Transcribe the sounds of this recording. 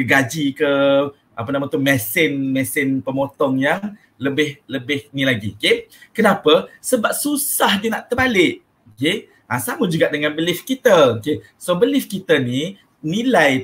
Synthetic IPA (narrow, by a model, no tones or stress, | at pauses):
ɡad͡ʒikə | apənamat̪ʊmɛsɪnmɛsɪnpəmot̪ɔŋjaŋ | ləbɪhləbɪhnilaɡḭokekənapəsəbap̚susahd͡ʒənaʔt̪əbalɪʔ̚ | oke | ʔasamud͡ʒuɡaʔdəŋãnbəlɪfkit̪əoke | sobəlɪfkit̪əni | nilaj